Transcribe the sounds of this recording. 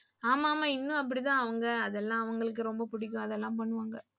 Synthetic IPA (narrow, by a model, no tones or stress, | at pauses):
aːmaːmaːɪnːʊ̃ɐp̬ːɐɽit̪ãːɐʋɐŋɡɐɐðɛlːãːɐʋɐŋɡɐɭɯk̬ːɯɾɔmbɐpʊɽɪk̬ʲːʊ̃ɐðɛlːãːpɐɳːɯʋaːŋɡɐ